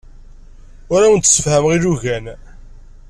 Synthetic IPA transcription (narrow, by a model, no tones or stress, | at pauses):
ʊɾawənt̪ːsəfhæmʁiluʝæn